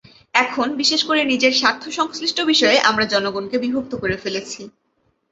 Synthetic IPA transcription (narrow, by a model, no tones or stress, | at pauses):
ɛkʰonbiʃeʃkoɾenid͡ʑeɾʃaɾt̪ʰːoʃɔŋsliʃʈʰobiʃɔeʔamɾad͡ʑɔnoɡonkebibʱok̚t̪okoɾefelet͡ɕʰi